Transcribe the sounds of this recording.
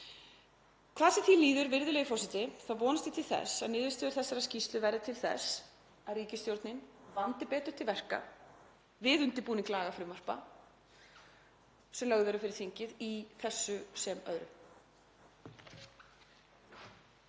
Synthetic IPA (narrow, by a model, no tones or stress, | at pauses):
kʰvaːðsɛθiliːðʏɾvɪɾðʏlɛːjʏfɔsɪt̪ɪθaðvɔːnɪst̪ɪ̥t̪ʰɪlθɛ̰saðnɪːðvɪst̪ɛːðʏɾ̥θɛsːaɾascist̪lʏvɛɾðɪt̪ʰɪlθɛ̰s | aðriːcɪst̪jowɾt̪nɪnvant̪ɪpɛːt̪ʏ̥t̪ʰɪlvɛr̥ka̰ | vɪðʏnt̪ɪpuːniŋklaːɣafɾʏmar̥pa̰ | sɛmlœɣðœɾʏfɪɾɪɾ̥θiɲcɪðiθɛsːʏsɛmœ̰ðɾʏ̰